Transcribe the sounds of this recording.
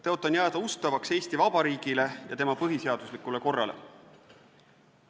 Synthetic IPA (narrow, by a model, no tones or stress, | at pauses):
t̪eo̞t̪ːˑɑnjæːd̪̥ɑust̪ɑvɑkse̞ːst̪ivɑb̥ɑɾiːɡ̥ile̞jɑ̰t̪e̞mɑpɤɦise̞ɑd̪̥uslikːˑule̞ko̞rːɑ̰le̞̰